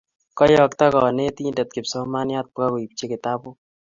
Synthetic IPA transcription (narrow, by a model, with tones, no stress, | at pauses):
kɔ˦jɔ˨kt̪a˦kɔ˨ne˦t̪i˦ndɛ˨t̪̚kɪ˨psɔ˦ma˦nja˦t̪̚pʊ˦ka˦ko˨i˨p̚t͡ʃe˦kɪ˨t̪a˦bʊ˦